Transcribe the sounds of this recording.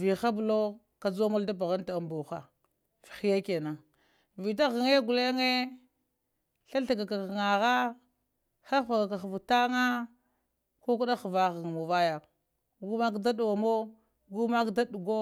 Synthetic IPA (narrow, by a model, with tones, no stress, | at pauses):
vi˨xa˦blo˦ | ka˨d͡za˦ma˦lda˦p̬a˨ɣa˦nta˨mbu˨xa̰˨ | fi̥˨xi˦ja˦ke˨na˨ | vi˨t̬a˦ɣa˨ŋe˦ɡu˨le˦ŋe˦ | ɬa˦ɬa˨ɡa˨ka˨kŋa˨ɣa˦ | xa˦fa˨ɡa˨ka˨xvu˨ta˦ŋa˦ | ko˦k̬u˦ɗa˦xva˦ɣa˨ŋ˨mo˨va˦ja˨ | ɡu˦ma˦kda˦ɗu˨wa˨mo˦ | ɡu˦ma˦kda˦du˨ɡo˦